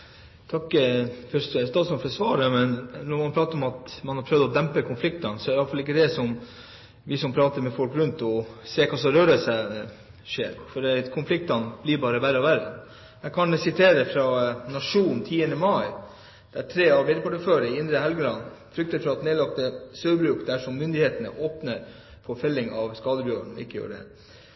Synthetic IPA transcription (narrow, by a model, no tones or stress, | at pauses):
t̪ʰɑkːfɔɾsst̪ɑːd̪smɔnfɔsʋɑːɾəmɛnnɔɾmɑnpɾɑːt̪əɾɔmɑt̪mɑnhɑɾpʰɾœʋd̪ɔd̪ɛmpəkʰʊnflɪkt̪ɑnsɔd̪æɾɑlfɑlɪkːəd̪ɛsɔm | ʋɪsɔmpʰɾɑːt̪əɾmɛfɔlkɾʉnt̪ɔseːkʰɑːsɔɾøːɾəsɛ | ʂḛːɾfɔɾɛkʰʊnflɪk̚t̪ɑnblɪɾbɑːɾəʋæɾɑʋæɾə̰n | jækʰɑnsɪt̪ʰeːɾəfɾɑnɑʂuːnnt̪ʰiːənəmɑɪ | d̪̥æʈʰɾeːɑʋʋɪd̪əpʰɑʈəføːɾəɪɪnd̪ɾəhɛlɡəɾɑnfɾʏk̚t̪əfɾɑɑt̪neːlɑk̚t̪əsøːbɾʉːkd̪æʂɔmːʏnd̪ɪheːt̪ənə̰ʔoːpnəɾ | fɔɾfɛlːɪŋɑʋskɑːd̪əbjøːəɳɪ̰kːəjø̰ːɾɖ̪ɛ̰